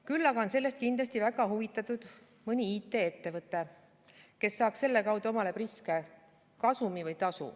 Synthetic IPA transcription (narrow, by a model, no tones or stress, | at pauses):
kylːɑɡɑo̞nse̞lːe̞st̪̚kind̪lɑst̪ivæɡ̥ɑɦuvit̪ːˑɑt̪ːˑud̪̥ | mɤnʲiiːt̪ːˑe̞et̪ːe̞vɤt̪ˑːe̞ | ke̞sːɑːkse̞lːe̞kɑwd̪̥uo̞mɑle̞priske | kɑsumivɯjt̪ɑsṵ